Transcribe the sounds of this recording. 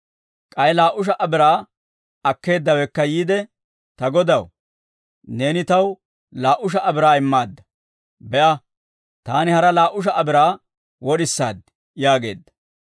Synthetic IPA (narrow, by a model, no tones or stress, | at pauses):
kʼɐjlaːʔʊʃ̬ɐʔɐbɪɾaː | ɐkːe̞ːd̪ːɐwɛkːɐjiːd̪ɛ | t̪ɐɡɔd̪ɐw | ne̞ːnɪt̪ɐw | laːʔʊʃ̬ɐʔɐbɪɾaːɪmːaːd̪ːɐ̥ | bɛʔɐ | t̪aːnɪhɐɾɐlaːʔʊʃ̬ɐʔɐbɪɾaː | wɔɗɪsːa̰ːd̪ɪ | jaːɡe̞̰ːd̪ːɐ̥